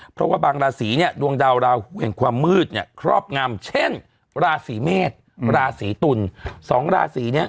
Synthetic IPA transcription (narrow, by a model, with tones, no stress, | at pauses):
pʰɾɔ˦˥waː˥˩baː˧ŋɾaː˧siː˩˦ni˥˩ədu˧əŋdaː˧wɾaː˧hu˩˦ənkʰwaː˧mːɯː˥˩t̪̚ni˧˥˩ɐkʰɾɔ̰ː˥˩p̚ŋa˧mt͡ɕʰe˥˩n | ɾaː˧siː˩˦meː˥˩t̪̚ | ɾaː˧siː˩˦t̪u˧nsɔː˩˦ŋɾa̰ː˧siː˩˦ni˦˥ɐ